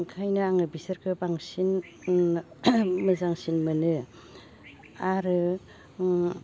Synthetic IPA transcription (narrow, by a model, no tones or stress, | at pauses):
ŋkʰajnɯaŋɯbisɐɾkʰɯbaŋsin | mɯzaŋsinmɯnɯ | aɾɯ